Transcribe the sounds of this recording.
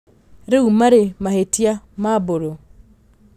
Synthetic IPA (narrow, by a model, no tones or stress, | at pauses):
ɾeumaɾemahetjamaboɾo